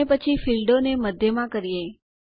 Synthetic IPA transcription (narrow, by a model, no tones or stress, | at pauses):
epət͡ʃʰifilɖoneməd̪ʱjəmãkəɾije